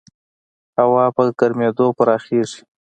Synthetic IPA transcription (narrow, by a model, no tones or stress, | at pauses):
hawɑpəkaɾmed̪opəɾɑxeʐi̥